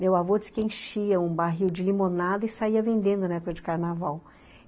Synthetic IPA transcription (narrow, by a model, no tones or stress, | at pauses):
mewavod͡ʒɪskẽʃiɐũbaɦiwd͡ʒɪlimonad̪ɐɪsaiɐvẽnd̪ẽnd̪ʊnɐɛpokɐd͡ʒɪkaɾnavaw